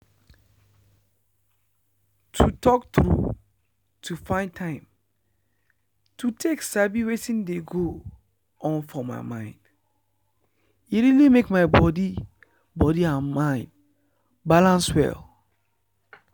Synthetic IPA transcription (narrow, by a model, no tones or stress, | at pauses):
tʰutʰɔkt̪ɹṵ | tʰufãɪ̃ntʰãɪ̃m | tʰutʰeksabiwetĩndeɡo | ʔɔ̃nfɔma̰ɪmãɪ̃nd̥ | iɹilimekmaɪbɔdi | bɔdiãnmãɪ̃nd | balãnswɛ̰l